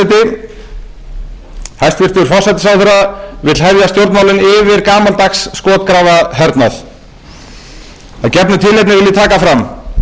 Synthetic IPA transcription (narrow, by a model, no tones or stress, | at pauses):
t̪ɪ | hajst̪vɪɾ̥t̪ʏɾ̥fɔr̥sajt̪ɪ̥sawθɛɾːavɪt̪l̥hɛvðjast̪jowɾt̪nmawlɪnɪvɪɾkaːmalt̪axsːkɔːt̪̚kɾaːvaɦɛɾt̪naθ | aðcɛpnʏt̪ʰɪlejt̪nɪvɪlðɪt̪ʰaːkafɾam